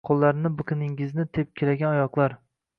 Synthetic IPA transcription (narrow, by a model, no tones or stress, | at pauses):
qʰolˠːaɾɪnɪbɨkʰɨnɪŋɪznɪt̪ʰep̚kʲʰelaɡʲanɒjɒqlˠaɾ